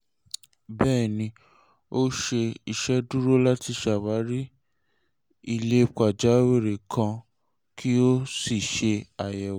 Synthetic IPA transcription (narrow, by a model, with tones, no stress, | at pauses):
bɛː˦˨nĩ˧ | o˦ʃe˧i˨ʃɛ˦du˦ɾo˦la˦ti˧˦ʃa˨wa˨˦ɾi˦ | i˦˧le˦ka˨d͡ʒa˨˦we˦˨ɾe˨kʰã˧ | kʰi˦o˦si˦˨ʃe˧a˨jɛ˨w